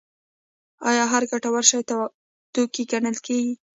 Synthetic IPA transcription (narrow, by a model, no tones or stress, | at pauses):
ɑjɑɦaɾɡaʈawaɾʃɑjt̪a | t̪okiɡanəlkeɡi